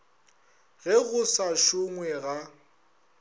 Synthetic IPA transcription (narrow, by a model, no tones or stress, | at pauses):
ɣɛɣʊsaʃʊŋwɛɣa